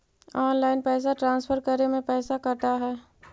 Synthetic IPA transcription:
ɔːnlaːɪnpɛːs̬aʈɾãːnsfʰəɾkəɾemẽpɛːsakɐɾʈ̪aɦɛː

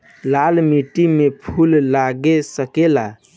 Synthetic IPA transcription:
lalmiʈimepʰullaɡesəkela

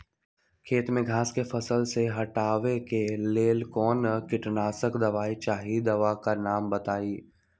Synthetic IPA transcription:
kʰeːt̪mẽɡʱaːskefʰɐsəlseɦɐʈaːʋekeleːlkɔːnəkɪʈnaːsəkd̪ɐʋaːit͡ʃaːɦid̪ɐʋakanaːmbɐt̪aːiː

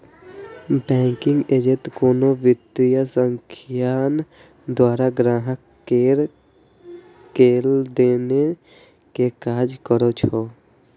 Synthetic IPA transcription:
bɛ̃ːŋkɪ̃ŋɡeːd͡ʒet̪koːnoʋɪt̪ijasəŋkʰjaːn | d̪waːɾaɡɾaːɦək | keɾ | keːld̪eːne | kekaːd͡ʒkəɾot͡ʃʰoː

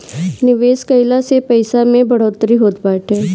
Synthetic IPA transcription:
nɪʋeːskəɪlasepɐɪsamẽbɐɽ̤oːt̪ɾiɦoːt̪baːʈɦɛː

